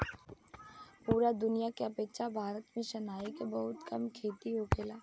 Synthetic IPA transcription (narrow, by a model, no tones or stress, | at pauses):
puːɾad̪ʊnijakeɐpeːt͡ʃabʱaːɾət̪mẽʃɐnaːikebɐɦʊt̪kɐmkʰeːt̪iɦokʰeːlaː